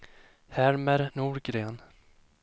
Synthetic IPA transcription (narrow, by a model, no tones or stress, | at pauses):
hæɾməɾnuːɾɡɾeːn